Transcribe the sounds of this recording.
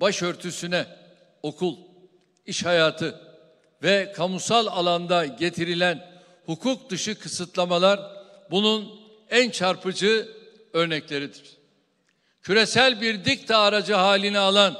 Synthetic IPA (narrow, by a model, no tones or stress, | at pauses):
baʃø̞ɾt̪ʰysynɛ | o̞kʰulˠ | iʃhajaːt̪ʰɯ | vɛkʰamusalˠalˠand̪aɟe̞t̪ʰiɾilʲæn | hukʰuk̚d̪ɯʃɯkʰɯsɯt̪lˠamalˠaɾbunun | ænt͡ʃʰaɾpʰɯd͡ʒɯː | øɾnɛclʲe̞ɾid̪iɾ̥ | cʰyɾe̞sælʲbiɾd̪ic̚t̪ʰaːɾad͡ʒɯɦaːlʲinɛalˠan